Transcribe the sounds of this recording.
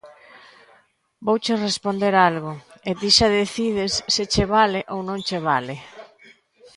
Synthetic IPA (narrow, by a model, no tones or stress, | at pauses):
bowt͡ʃerespond̪eɾalɣoet̪iʃaðeθið̞esːet͡ʃeβ̞aleʔownõŋt͡ʃeβ̞ale